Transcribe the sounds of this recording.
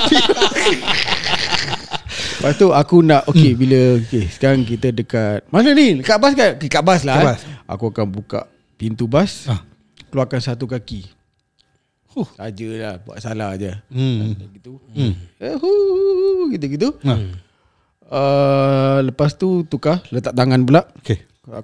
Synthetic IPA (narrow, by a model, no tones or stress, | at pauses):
ləpast̪uakunaʔokebiləkesə̥kaɾaŋk̬it̪ədəkat̪̚manəniləkaʔbaskankləkaʔbaslaasa̰kuakanbuka̰ʔ | pint̪ubas | kəluakansat̪ukaki | ut̪ad͡ʒəlahbua̰ʔsalahd͡ʒəat̪aɡit̪uəhu | ɡit̪̬əɡit̪̬u | ə | ləpast̪ut̪ukahlət̪aʔt̪aŋanbəlaʔke